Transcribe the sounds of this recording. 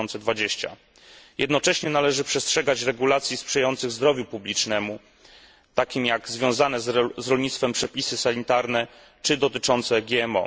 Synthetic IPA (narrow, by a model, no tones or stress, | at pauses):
ɔnt̪sɛd̪vad͡ʑeɕt͡ɕa̰ | jɛd̪nɔt͡ʂɛɕɲɛnalɛʐɘpʂɛstʂɛɡat͡ɕɾɛɡulat̪sʲjispʂɛjajɔnt̪sɘɣzd̪ɾɔvʲjupublʲit͡ʂnɛmu | t̪akʲimjaɡzvʲjɔ̃w̃zanɛzzɾɔlɲit̪st̪fɛmpʂɛpʲisɘsaɲit̪aɾnɛ | t͡ʂɘd̪ɔt̪ɘt͡ʂɔnt̪sɛɡʲjɛɛmɔ̰